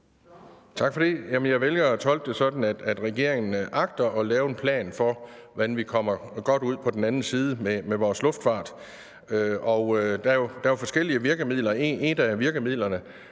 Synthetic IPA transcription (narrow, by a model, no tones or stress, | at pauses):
t͡sʰɑ̈ɡ̥fɒ̽d̥ejæmənjɑ̈ɪʋelɡ̥ɐːt͡sʰɒ̽l̰ɡ̥̚d̥e̝sɒ̽d̥n̩æd̥æd̥ʁɛɡ̥e̝ɐ̰e̝ŋn̩ʔɑ̈ɡ̥d̥ɐʔɒ̽lɛːʊe̝npʰlɛ̰ːnfɒ̽ʋænʋikʰɒ̽m̰ɐɡ̥ɒ̽d̥uð̞̰ˠpʰɒ̽d̥enænn̩siːð̞ˠəmemeʋɒːslɔ̽fd̥fɑ̈ːd̥ | øɒʊd̥æjo̝d̥æjofɒ̽sɡ̥el̰iəʋiɐɡ̥əmið̰lɐeenæʋiɐɡ̥əmið̰ˠlɐnə